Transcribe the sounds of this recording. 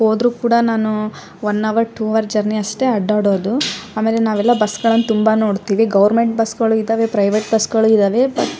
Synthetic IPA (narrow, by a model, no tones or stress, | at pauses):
ho̞ːd̪ɾuːkuːɽɐnaːnu | ʋɐnːɐʋɐɾʈʰuːɐʋɐɾd͡ʒɐɾniɐʂʈe̞ɐɖaːɽoːd̪uaːme̞ːlenaːʋɛlːɐbɐsɡɐɭɐnːt̪umbano̞ːɽt̪iːʋiɡɐʋɐɾme̞ɳʈ̚bɐsɡɐɭuid̪aːʋe̞pɾɐjʋeʈ̚bɐsɡɐɭuid̪aːʋe̞bɐt̪ː